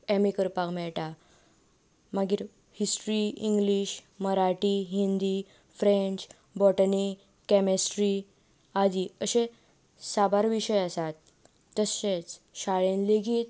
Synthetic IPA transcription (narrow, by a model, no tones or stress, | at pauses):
emikəɾpakmɛɭʈa | maɡiːɾ | hisʈɾiiŋɡliɕməɾaʈiɦind̪i | fɾẽɲt͡ɕ | bɔʈəni | kɛmisʈɾi | ad͡ʑiːəɕẽ | sabaɾʋiɕəjasat̪ː | əset͡sɕaɭẽnleɡiːt̪̚